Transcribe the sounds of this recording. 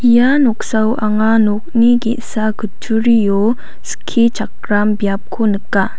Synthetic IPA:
ijanok̚sawʔaŋanok̚niɡḛʔsaɡət͡ʃʰuɾijɔ | sə̥kʰit͡ʃak̚ɾambjap̚kʰonɯkːa

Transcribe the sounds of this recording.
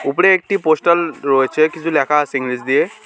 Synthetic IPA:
upɽeːk̚ʈiposʈəlɾojt͡ʃʰɛkizulakʰaːsiŋɡɾisd̪ie

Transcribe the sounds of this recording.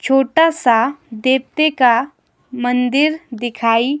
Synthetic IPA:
t͡ʃʰoːʈasad̪eːp̚t̪eka | mə̃nd̪ɪɾd̪ɪkʰaːi

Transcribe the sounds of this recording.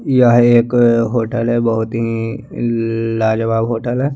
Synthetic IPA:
jaɦeːkɦoːʈəlɦɛbɐɦʊt̪ɦi | laːd͡ʒəbaːbɦoːʈəlɦɛː

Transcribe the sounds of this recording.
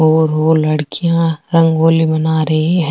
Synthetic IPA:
ɦoːɾɦoːlɐɽkijãɾɐ̃ŋɡoːlibɐnaːɾɐɦeɦ

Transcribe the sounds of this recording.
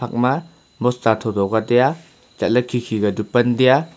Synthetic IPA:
ak̚ma | mɔstatʰɔdɔɡadeja | t͡ʃat̚lɐkʰːikʰiɡɐdupɐndija

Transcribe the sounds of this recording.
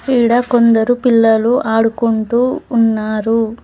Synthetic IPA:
piːɽɐko̞nd̪ɐɾupilːɐluʔaːɽukuɳʈuːnːaːɾu

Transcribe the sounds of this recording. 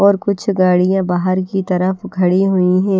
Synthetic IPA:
ɔːɾkʊt͡ʃʰɡaːɽijãbaːɦəɾkit̪ɐɾəfɡʱɐɽiɦʊiɦɛ̃ː

